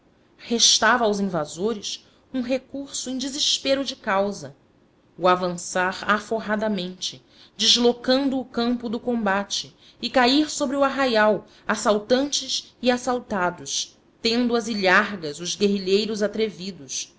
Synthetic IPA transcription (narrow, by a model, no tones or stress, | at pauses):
heʃt̪avɐawzĩvazoɾɪs | ũɦekuɾsʊẽj̃d͡ʒɪziʃpeɾʊd͡ʒɪkawzɐ | ʊavɐ̃saɾafoɦad̪ɐmẽnt͡ʃɪ | d͡ʒɪʒlokɐ̃nd̪ʊːkɐ̃mpʊd̪ʊkõmbat͡ʃɪː | kaiɾsobɾɪʊaɦajaw | asawt̪ɐ̃nt͡ʃɪʃiasawt̪ad̪ʊʃ | t̪ẽnd̪ʊɐziʎaɾɡɐzʊzɡeɦiʎejɾʊzat̪ɾevid̪ʊs